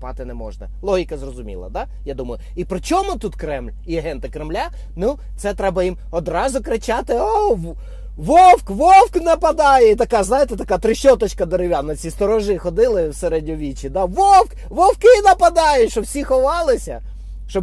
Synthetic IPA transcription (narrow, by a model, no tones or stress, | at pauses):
pɑ̰t̪ɪnɛmɔ̰ʒnɐ̰lˠɔɦʲikɐzrɔzʊmʲḭlˠɐ̰d̪ɑ | jad̪umɐjʊ | ipɾɪt͡ʃɔmʊt̪ut̪kɾɛmlʲiɐɦɛnt̪ɪkɾemlʲa | nu | t̪sɛt̪ɾɛbɐjim | ɔd̪ɾɑzʊkɾɪt͡ʃɑt̪ɪɔ | ʋɔwkʋɔwknɐpɐd̪ɑjɛit̪ɐkɑznɑjɪt̪ɛt̪ɐkɑt̪ɾɪʃɔt̪ɔt͡ʃkɐd̪eɾɪʋʲanɐt͡sʲist̪ɔɾɔʒɪxɔd̪ɪlˠɪwseɾɛdʲnʲɔʋʲit͡ʃid̪ɑʋɔwk | ʋɔwkɪnɐpɐd̪ɑjʊtʲʃt͡ʃɔwsʲixɔʋɑlˠɪsʲɐ̰ | ʃt͡ʃɔ